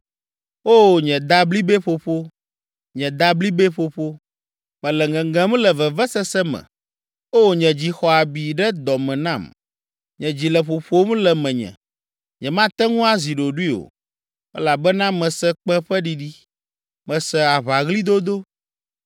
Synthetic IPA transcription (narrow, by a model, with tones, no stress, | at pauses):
o˦˨ɲɛ̃˨d̪a˦bli˦bɛ˦ɸo˨ɸo˦ | ɲɛ̃˨d̪a˦bli˦bɛ˦ɸo˨ɸo˦ | mɛ̃˨lɛ˨ŋɛ̃˨ŋɡɛ̃˦m˦lɛ˨vɛ˨vɛ˦sɛ˦sɛ˦mɛ̰̃˨ | o˦˨ɲɛ̃˨d͡ʑi˨xɔ˨a˨bi˨ɖɛ˦d̪ɔ˨mɛ̃˨nã˦˨m | ɲɛ̃˨d͡ʑi˨lɛ˨ɸo˨ɸo˦m˦lɛ˨mɛ̃˨ɲɛ̰̃˨ | ɲɛ̃˨mã˦t̪ɛ˦ŋũ˦a˦zi˨ɖo˨ɖu˦i˦o̰˨ | ɛ̰˦la˨bɛ˦nã˦mɛ̃˨sɛ˦k͡pɛ̃˦ɸɛ˦ɖi˦ɖi˦ | mɛ̃˨sɛ˨a˨βa˨ɣli˦d̪o˦d̪o˦